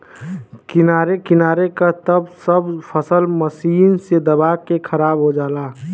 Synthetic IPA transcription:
kɪnaːɾekɪnaːɾekat̪əbsəbpʰəsəlməsiːnsed̪əbakekʰəɾaːbɦod͡ʒaːlaː

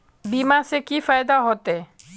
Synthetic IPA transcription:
bimasekifajd̪aɦɔt̪e

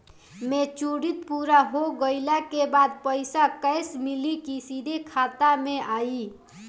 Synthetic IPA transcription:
met͡ʃuɽit̪̚puɾaɦoɡəɪlakebad̪̚pəjsakəjsmilikisid̪ʱekʰat̪ameaji

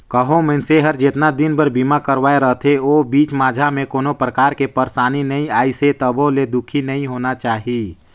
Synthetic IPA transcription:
kəɦomɛ̃ːnseɦəɾd͡ʒet̪nad̪ɪnbəɾbiːmakəɾʋaːeɾəɦt̪ʰeoːbiːt͡ʃmaːd͡ʒʱamẽkoːnopɾəkaːɾkepəɾsaːninəɦĩaːiset̪əboled̪ʊkʰinəĩɦoːnat͡ʃaːɦi

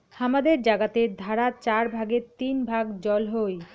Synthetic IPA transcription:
hamad̪eɾd͡ʑaɡat̪ed̪ʱaɾat͡ɕaɾbʱaɡeɾt̪inbʱaɡd͡ʑɔlɦoj

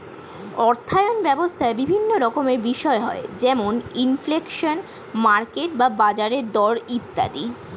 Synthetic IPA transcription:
ɔɾt̪ʰaeonbɛbost̪ʰaebibʱinːoɾɔkomeɾbiʃɔeɦɔ̰ed͡ʑɛmoninflekʃon | maɾkeʈbabad͡ʑaɾeɾd̪ɔɽit̪ːa̰d̪i

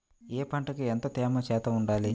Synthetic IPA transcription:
eːpɐɳʈɐkient̪ɐt̪ɛːmɐt͡ʃɛːt̪ɐuɳɖaːli

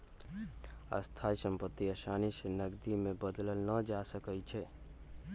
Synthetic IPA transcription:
ə̰st̪ʰaisəmpət̪ːiəsanisenəɡd̪imebəd̪ləlnəd͡ʒasəkət͡ʃʰɛ

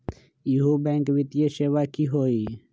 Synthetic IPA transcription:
iɦubẽːŋkwit̪jeʃeːwakiɦoːi

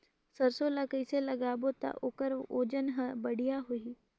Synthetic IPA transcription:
sɐɾsolakəiselɐɡaːbot̪a̰ʔʊkəɾo̰ːd͡ʒənɦəbɐɽ̤ijaɦoi

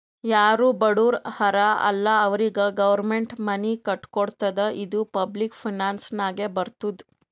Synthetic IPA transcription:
jaːɾuːbɐɽuːɾhɐɾaɐ̰lːaɐʋɾiɡɐɡɐʋɐɾmeɳʈmɐnikɐʈkoɽt̪ɐd̪əʔid̪upɐblikpʰinaːnsnaːɡebɐɾt̪ud̪

